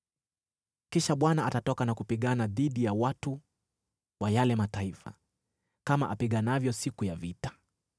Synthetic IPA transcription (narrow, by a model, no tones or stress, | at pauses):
kiʃaɓwanaatatɔkanakupiɠanaðiɗijawatu | wajalɛmataifa̰ | kamaʔapiɠanavjɔsikujavitḁ